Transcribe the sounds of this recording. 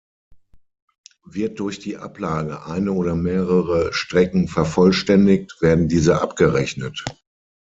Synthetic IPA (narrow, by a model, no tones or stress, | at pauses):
vɪɐt̚d̥ʊɐçd̥iːʔa̰plaːɡəʔaɪnəoːɾɐmeːʁəʁəʃtʁ̥ɛkŋ̩fɛɐfɔlʃtɛndɪk̚tv̥eːɐdn̩diːzəʔa̰pɡ̥əʁɛçnət